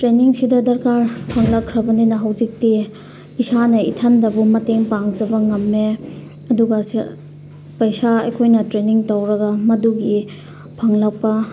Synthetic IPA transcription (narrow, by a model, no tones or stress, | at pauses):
tɾeniŋsidɐdɐɾkaɾpʰɐŋlɐkʰːɾɐbɐninɐɦɐwzik̚ti | isanɐitʰɐndɐbumɐteŋpaŋd͡ʒɐbɐŋɐmːe | ɐduɡɐs | pɐjsaɐ̰jkʰojnɐtɾeniŋtɐwɾɐɡɐmɐduɡi | pʰɐŋlɐk̚pɐ